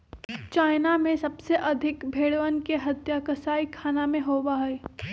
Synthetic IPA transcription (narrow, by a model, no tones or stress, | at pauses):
t͡ʃaːɪnamẽsɐbseʔɐd̪ʱɪkbʱeːɽʋənkeɦɐt̪jakəsaːikʰaːnamẽɦoːwaɦɛː